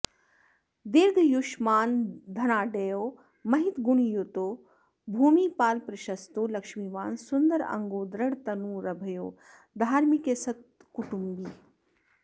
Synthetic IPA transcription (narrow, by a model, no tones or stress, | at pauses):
d̪iɾd̪ʱjuʃmaːnd̪ʱɐñaːɖeːjoː | mɐɦit̪ɡuɳ̃ijoːt̪oː | bʱuːmiːpaːlpɾɐʃɐst̪oːlɐkʃmiːʋaːnsund̪əɾɐ̰ŋɡoːd̪ɾɐɽt̪ɐnuːɾɐbʱɐjoː | d̪ʱaːɾmikesɐt̪̚kʊʈumbiː